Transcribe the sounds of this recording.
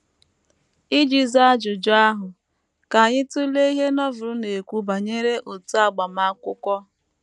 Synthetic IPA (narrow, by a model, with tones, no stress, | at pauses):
i˦d͡ʒi˨za˦d͡ʒʊ˨d͡ʒʊ˦a˦ɦʊ˨ | ka˨a˨ɲɪ˦tu˦le˦i˦ɦe˦nɔ˦vʊ˨ɾʊ˦ne˨kʷu˦ba˨ɲe˦ɾe˦ʔo˨tu˦a˨ɡ͡ba˨ma˦kʷʊ˦kʷɔ˦